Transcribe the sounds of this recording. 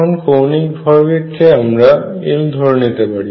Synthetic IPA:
ɔnfowniŋbʱɔɾbikʰːeamɾaḭld̪ʱɔɾnit̪epaɽi

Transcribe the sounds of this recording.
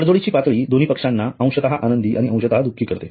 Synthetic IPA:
əɽd͡zoɭit͡ɕiːpat̪ɭiːd̪on̤iːpəkʂanːaə̃w̃ɕət̪aɦaʔanənd̪iːʔaɽiə̃w̃ɕət̪əɦad̪ukʰːiːkəɾt̪e

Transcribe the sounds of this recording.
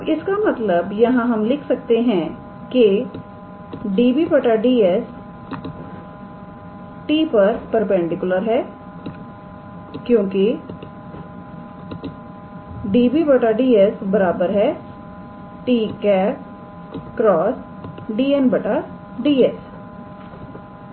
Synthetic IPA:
ɪskamɐt̪ləbjɐɦãɦɐmlɪkʰsɐk̚t̪eɦɛ̃ | ke | ɖiːbibɐʈaɖiːɛs | ʈiːpɐɾpɐɾpɛ̃ɳɖɪkʊləɾɦɛː | kjõːki | ɖiːbiːbəʈaːɖiːɛsbəɾaːbəɾɦɛː | ʈiːkɛːp̚ | kɾɔːs | ɖiːɛnbəʈa | ɖiːɛs

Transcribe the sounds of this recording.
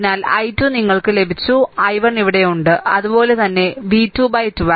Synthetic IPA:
naːlɐ̰jtːjuːniŋːɐɭkɨle̞bʱit͡ɕːuɐjʋɐɳiʋiɽe̞juɳɖɨɐ̰ðupo̞ːle̞t̪ɐnːe̞ʋiːtːjuːbɐjtːuʋɐ

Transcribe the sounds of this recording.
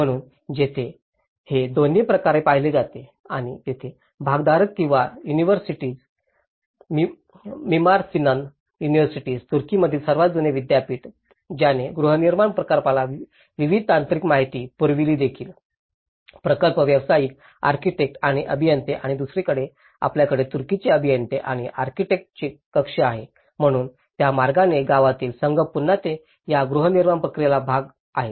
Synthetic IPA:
əɽ̃uːn | d͡ʑet̪ʰe | hed̪onepɾəkaɾepaɦiled͡zat̪e | aɽ̃it̪et̪ʰe | bʱaɡd̪aɾək̪̚kĩw̃ʋajuniʋəɾsiʈiːd͡z | mi | mimaɾsinan | juniʋəɾsiʈiːd͡zt̪uɾkiməd̪ʱilsəɾʋat̪d͡zuneʋid̪japiːʈ | d͡ʑjaneɡɾuɦəniɾmaɳpɾəkaɾpalaʋ | ʋiʋid̪̚ʱt̪ant̪ɾikmaɦit̪iːpəɾʋiliːd̪ekʰiːl | pɾəkəlpəʋjəʋsajiːk | a̰ɾkiʈek̚ʈaɽ̃iʔəbʱijənt̪eʔaɽ̃id̪usɾekəɽe | a̰pljakəɽet̪uɾkit͡ɕeəbʱijənt̪eʔaɽ̃iʔaɾkiʈek̚ʈ̚t͡ɕekəkʂeaɦe | m̤əɽ̃uːn | t̪jamaɾɡaneɡaʋat̪iːlsəŋɡʱəpunːat̪e | jaɡɾuɦəniɾmaɳpɾəkɾijalabʱaɡ | aɦe

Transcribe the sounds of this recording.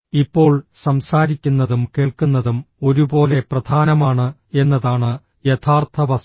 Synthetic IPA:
ipːo̞ːɭsɐmsaːɾikʲːunːɐðumke̞ːɭkunːɐðumo̞ɾubo̞ːle̞prɐd̪ʱaːnɐmaːɳɨe̞nːɐðaːɳɨ | jet̪ʰaːrt̪ʰɐʋɐs

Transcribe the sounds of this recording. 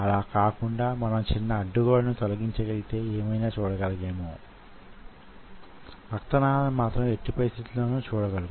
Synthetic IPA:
ɐlaːkaːkuɳɖaːmɐnɐmt͡ʃinːɐːɖːuɡaːlɐnut̪olɐɡiɲt͡ʃɐɡɐɭit̪e̞ːeːmɐjnaːt͡ʃuːɽɐɡɐlɐɡe̞ːmoː | ɐkt̪ɐnaːd̪ɐmːaːt̪ɾɐme̞ʈːipɐɾist̪ʰit̪uloːnuːt͡ʃuːɽɐɡɐluɡ

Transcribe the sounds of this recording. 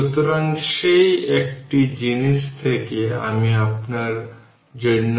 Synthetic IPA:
ut̪ɔɾãŋkɕeiekʈid͡ʑinist̪ʰekea̰miapnaɾ | d͡ʑə

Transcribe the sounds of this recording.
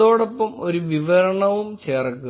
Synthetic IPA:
o̞ːɽopːɐmo̞ɾuʋiʋɐɾɐɳɐʋumt͡ɕeːrɐkːu

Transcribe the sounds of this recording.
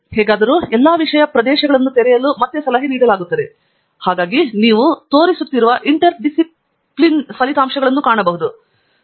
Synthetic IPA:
hɛːɡaːd̪ɐɾuːɛlːaːʋiʂɐjɐpɾɐd̪ɛːʃɐɡɐɭɐnːut̪ɛɾɛjɐlumɐt̪ːesɐlɐɦiniːɽɐlaːɡut̪ːɐd̪e̞ | haːɡaːɡiniːʋut̪o̞ːɾisut̪ːiɾuʋɐʔiɳʈɐɾɖisi | plinsʋɐlit̪aːmʂɐɡɐɭɐnːukaːɳɐbɐɦud̪u

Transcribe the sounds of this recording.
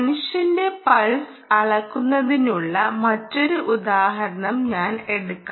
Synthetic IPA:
nuʂjɐnde̞pɐɻs | ɐɭɐkːunːɐðinuɭːɐmɐtːo̞ɾuʔud̪aːɦɐɾɐɳɐmɲaːne̞ɽukːa

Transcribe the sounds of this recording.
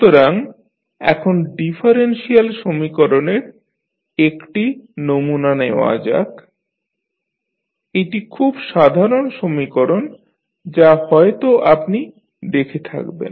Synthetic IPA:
t̪oɾaŋ | ɛ̰kʰonɖifʰaɾenʃialʃomikoɾoneɾ | ekʈinomunaneoa̰d͡ʑa̰k | eʈikʰubʃad̪ʱaɾonʃomikoɾon | d͡ʑahɔet̪oʔapni | d̪ekʰet̪ʰa̰kbḛn

